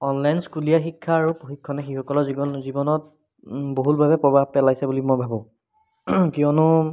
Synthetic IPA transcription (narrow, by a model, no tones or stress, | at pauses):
ɔnlajnskulijaxikʰːaːɹupoxikʰːɔnɛxixɔkɔlɔzizibɔnɔt̚ | boɦulbʱabɛpɹɔbʱabpɛlajsɛbulimojbʱabɔ̃ | kijɔnʊ